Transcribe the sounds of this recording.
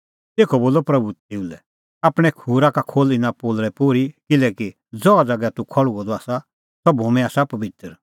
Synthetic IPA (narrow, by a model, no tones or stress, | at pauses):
t̪eːkʰɔboːlɔpɾɐbut̪ɪulɛ̰ | aːpɽ̃ɛkʰuːɾakakʰoːlɪnãpoːlɾɛpoːɾikɪlɛːki | d͡zɔad͡zaɡɛt̪ukʰɔɭuɡɔd̪ɔaːsa | sɔbomɛ̃aːsapɐbɪt̪əɾ